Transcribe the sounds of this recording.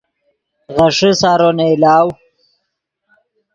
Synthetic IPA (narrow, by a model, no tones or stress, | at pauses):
ɣɐʂisaːɾoneɪlaːw